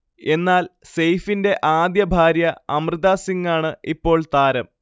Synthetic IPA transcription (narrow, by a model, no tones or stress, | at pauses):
e̞nːaːlse̞jfinde̞ʔaːd̪jɐbʱaːɾjɐɐmrɨðaːsiŋːaːɳɨipːo̞ːɭt̪aːɾɐm